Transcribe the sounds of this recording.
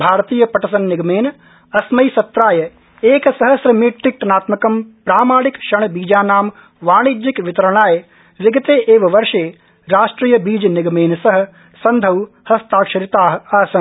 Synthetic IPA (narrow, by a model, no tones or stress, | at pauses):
bʱaːɾt̪iːjɐpɐʈɐsɐnːɪɡmeːn | ɐsmɐisɐt̪ːɾaːjɐ | eːksɐɦɐsɾɐmiːʈːɪk̚ʈnaːt̪mɐkɐmpɾaːmaːɽɪkʃɐɳ̃biːd͡ʒaːnaːm | ʋaːɽ̃id͡ʒɪkʋɪt̪ɐɾɐɽ̃aːj | ʋɪɡɐt̪eːʔeːʋɐʋɐɾʃeː | ɾaːʃʈɾiːjɐbiːd͡ʒnɪɡmeːnsɐɦɐ̆ | sɐnd̪ʱɐw | hɐst̪aːkʃɐɾɪt̪aːɦaːsɐ